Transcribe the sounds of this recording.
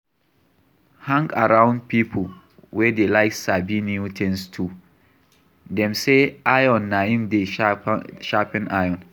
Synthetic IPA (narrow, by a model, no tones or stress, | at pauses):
hãŋɡaɹãʊ̃nd̚pʰipʰo | wɛdelaɪksabiniutʰɛ̃nstʰu | dɛ̃mseajɔ̃nːaĩmde | ʃapĩnʔajɔ̃n